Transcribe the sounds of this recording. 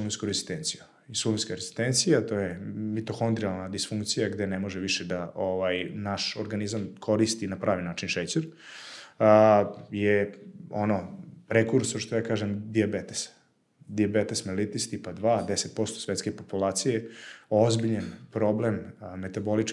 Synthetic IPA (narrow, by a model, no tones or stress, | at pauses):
ulˠimskoɾezi̥st̪eːnt̪siju | isulinskaɾez̥i̥st̪ent̪sijat̪oːjemit̪oxond̪ɾialˠnad̪isfuŋkt̪sijaɡd̪enemoʒɛʋiʃed̪aʔoʋajnaʃoɾɡanizamkʰo̞ɾist̪inapɾaːʋinaːt͡ʃinʃet͡ɕeɾ | jeo̰nopɾekuɾsoʃt̪ojaːkaːʒemd̪iabet̪es | d̪iabet̪esmelit̪ist̪ipad̪ʋaːd̪eset̪̚po̞st̪osʋet̪skepopulˠaːt̪sijeozbiʎanpɾo̞blemmet̪abo̞lit͡ʃ